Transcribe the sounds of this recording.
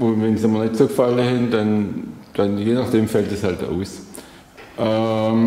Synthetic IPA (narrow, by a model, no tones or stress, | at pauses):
ʊnvɛnsamɐnɛtsoːɡfaləhɪnd̥and̥anjeːnaχd̥eːmfɛltəshalta̰ʊs | ʔɛm